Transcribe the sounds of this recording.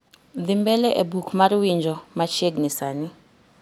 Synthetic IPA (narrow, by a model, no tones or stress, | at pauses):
dimbɛlɛʔebukʰumaɾiwind͡ʒʱɔmat͡ʃʰeɡnisaːni